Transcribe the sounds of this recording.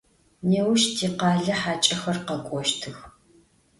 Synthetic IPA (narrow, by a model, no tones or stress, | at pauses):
neːwʃtʰiːqɑːɮɐħaːt͡ʃʼɐxɐrqɐkʷʼɔʃtʰɨx